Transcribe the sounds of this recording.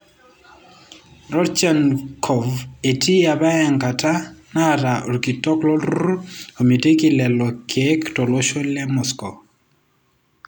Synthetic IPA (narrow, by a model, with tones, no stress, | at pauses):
ɾɔ˦ɾt͡ʃa˦nkʰɔ˨ve˨tʰi˦a˨ba˦ja˨ŋka˨ta˦na˦˨ɾa˨o˨ɾki˨tɔ˦klɔ˦l | o˨mje˨te˦ki˨lɛ˨lɔ˨kʰɛ˦ktɔ˨lwo˦ʃo˦lɛ˦mɔ˨skɔ˨